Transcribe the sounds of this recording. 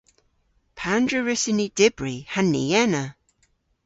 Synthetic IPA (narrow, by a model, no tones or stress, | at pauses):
pʰandɹəɹɪsɪnid̥ɪbɹihanːḭɛnə